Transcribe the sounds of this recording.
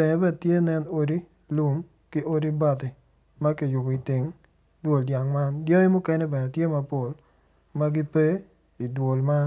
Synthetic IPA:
ɛ˨ŋɛ˨bɛ˦tje˦nɛ˦no˦di˦ | lu˦m | kɪ˦ʔo˦di˦ba˨ti˨ | ma˦ki˨jʊ˨bɔ˨i˨tɪ˨ŋ | dwo˨ldja˨ŋma˦ndjɔ˦ɪ˦mʊ˦kɛ˦nɛ˦bɛ˨nɛ˨tje˦ma˦po˨l | ma˦ɡɪ˦pe˦ | i˨dwo˨lma˦n

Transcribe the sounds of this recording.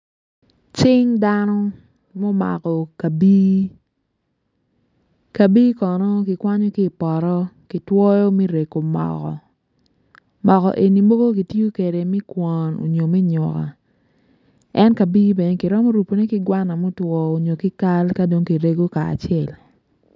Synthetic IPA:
t͡ʃɪ˦ŋda˦nɔ˦ | mo˦ma̰˨kɔ˨ka˨bi˦ | ka˨bi˦kɔ˨nɔ˦kɪ˨kwa˦ɲɔ˦kɪ˦˨pɔ˨ɾɔ˦kɪ˨twɔ˦jo˦me˦ɾe˨ko˨mɔ̰˨kɔ̰˨ | mɔ˨kɔ̰˨ʔe˨ni˨mo˦ɡo˦k̬i˨tjo˦ke˨de˨mi˦kwʷɔ˨no̰˨ɲo˨mɛ˦ɲɔ̰˨ka̰˨ | ɛ˦nka˨bi˦be˨ne˦ki˨ɾɔ˦mɔ˦ɾu˨po˨ne˦kɪ˦ɡwa˦na˨mo˦twɔ˨o˨ɲo˨kɪ˦ka˦lka˦do˦ŋki˨ɾe˦ɡo˦ka̰ː˨t͡ʃɛ˨l

